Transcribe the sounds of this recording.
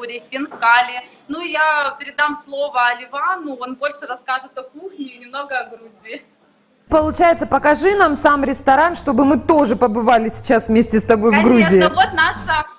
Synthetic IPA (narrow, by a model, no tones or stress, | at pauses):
ɾʲɪfʲɪnkalʲɪ | nujapʲɪɾʲɪd̪amslˠo̞vəɐlʲɪvanʊonbo̞lʲʂɨɾɐskaʐɨt̪ɐkuxnʲɪnʲɪmno̞ɡəɐɡɾuzʲɪː | pəlˠʊt͡ɕæjɪt̪səpəkɐʐɨnamsamɾʲɪst̪ɐɾanʂt̪o̞bɨmɨt̪o̞ʐɨpəbɨvalʲɪsʲɪ̥t͡ɕasvmʲesʲtʲɪst̪ɐbo̞jvɡɾuzʲɪɪvot̪̚naʂə